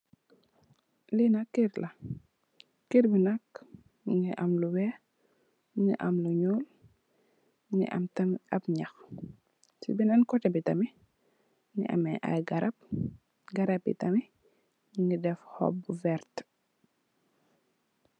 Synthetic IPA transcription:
linɐkːiɾlɐ | kiɾbinɐk | ŋɡiʔɐmluwɛ | ŋḭʔɐmluɲɔːl | ŋḭʔɐ̰mtɐmʔɐbɲax | sḭbinɐnkɔtɛbitɐmi | ŋḭʔɐ̰mɛʔa̰jɡɐɾɐp̚ | ɡɐɾɐb̚bḭtɐmi | ŋɡidɛfhɔ̰bːuvɛɾt

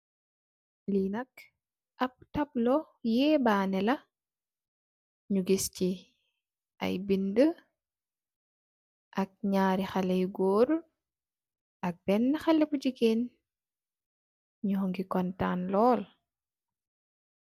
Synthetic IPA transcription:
linɐk̚ | ʔɐp̚tɐblɔ | jɛːbaːnɛlɐ | ɲuɡisci | ʔɐ̰jbində | ʔɐk̚ɲaːɾixalɛjɡoːɾ | ʔɐk̚b̥ɛnːɐxɐlːɛbud͡ʒiɡen | ɲuɦoŋɡikɔntaːnlɔːl

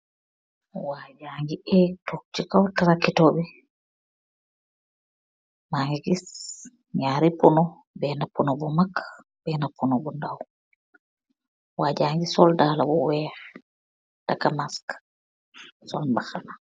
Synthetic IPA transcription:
waːd͡ʒaŋɡiʔɛtok̚t͡ʃikawtaɾakːitɔbɛ | maŋɡiɡis | ɲaːɾipɔnɔ | bɛnapːunɔbɔmakː | bɛnapːunɔbɔndaw | waːd͡ʒaːŋɡisɔldalabɔwɛːɾ | d̥akamask | sɔ̰lbaxana

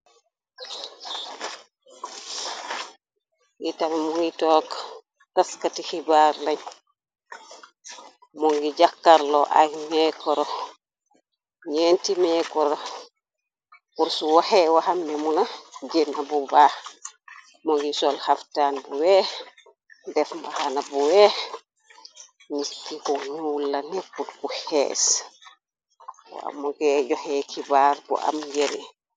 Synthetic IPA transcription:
ŋɡitamɛmuŋɡitɔk | taskatihibaɾlaɲ | mɔŋɡid͡ʒakːaɾlɔʔa̰jmɛkɔɾɔ | ɲentimɛːkɔɾɔ | kuɾsuwahɛwahambɛmunad͡ʒɛnabɔba | mɔɡisɔlhaftanbɔwɛ | dɛfmahanabɔwɛ | nistːikɔɲulːanɛkːulkuhɛ̰ːs | wa̰mɔɡɛd͡ʒɔhɛkʰibaɾbɔ̰ʔa̰mɡɛɾɛ

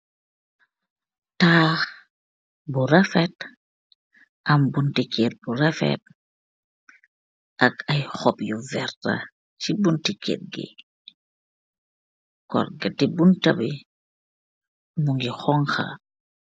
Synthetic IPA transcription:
taːx | burafɛt̚ | ʔɐmbuntikeːt̚burɛfɛ̰t̚ | ʔɐkɐjxɔpjuvɛrta̰ | t͡ʃibuntikɛ̰ːt̚ɡḭ | kɔ̰rɡɐtibuntɐbi | muŋɡixɔŋxa̰

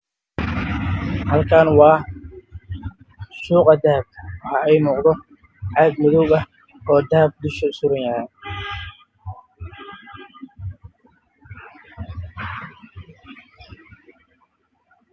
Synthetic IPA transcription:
hɐlkʰaːnwɑː | ʃuːqɑd̪ɐhɐb̚kʰɐwħɑɛjmuːqd̪ɔ | ʕɑɡmɔðɔwɡɐh | ɔːd̪ɐhɐb̚d̪ʊʃɐsʊɾɐnjɐʕa

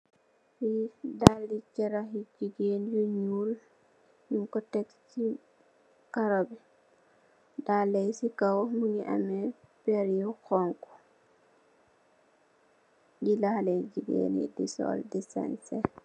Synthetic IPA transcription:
hidalːit͡ʃɛɾaɦid͡ʒiɡend͡ʒuɲul | jiŋkɔtɛk | t͡ʃi | kaɾɔbɛ | dalɛjsikawmuɲiʔa̰mɛbɛɾijɔkɔŋkɔ̥ | ɡilahalɛd͡ʒiɡḛnḭdisɔ̰ldisɛ̰nsɛ

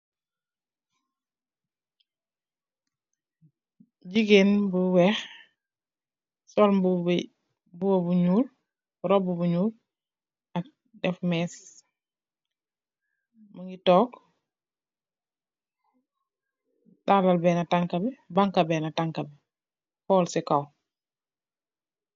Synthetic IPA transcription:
ɟiɡeːnbuwɛːx | sɔlbu | buwobuɲuːl | ɾobubuɲuːl | ak̚ | dɛfmɛːs | maŋɡitɔːk | dalalbɛːnataŋkabɛbaŋkabɛːnataŋkabɛ | hɔːlsɛkaw

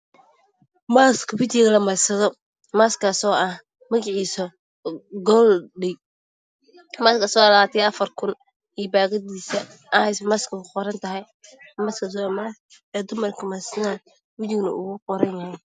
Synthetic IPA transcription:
maːskʰɐwɪt͡ʃɪɣɐlɐmɐsɐðɔ | maːskʰaːsɔːɐh | mɐɣɑʕiːsɔ | ɡɔlɖɛj | maːskaːsɔːɑlɐaːt̪ʰijɐfɐrkʰʊn | iːbaːɣɐdiːsɐ | ʔɐhɛjsmaskʰɐkʊqɔɾɐnt̪ʰɐɦɛj | mɐskʰɐd̪ɔmɐɐ | ɛːd̪ʊmɐrkʰɐmɐsɐðaːn | wɪt͡ʃɪɡnɐ̰ʔʊːɣʊqɔɾɐnjɐhɛ

